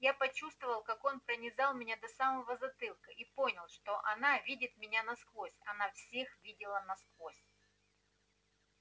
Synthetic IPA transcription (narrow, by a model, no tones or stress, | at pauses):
japɐt͡ɕust̪vəvəlˠkako̞npɾənʲɪzalˠmʲɪnʲad̪ɐsaməvəzɐt̪ɨlˠkəʔipo̞nʲɪlˠʂt̪o̞ʔɐnavʲidʲɪt̪mʲɪnʲanɐskvosʲɐnafsʲe̞xvʲidʲɪlˠənɐskvosʲ